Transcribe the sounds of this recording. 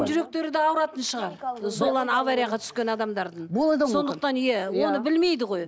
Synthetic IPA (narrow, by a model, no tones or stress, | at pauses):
nʒʏɾe̞k̚t̪e̞ɾɪd̪eɑwɾɑt̪ənʃəʁɑɾso̞lˠɑnavaɾʲijaʁɑt̪ʰʏ̥skʲe̞nɑd̪ɑmd̪ɑɾd̪əɴblˠd̪so̞nd̪əq̚t̪ɑnijæwo̞nəbɪlme̞jd̪ɪʁo̞j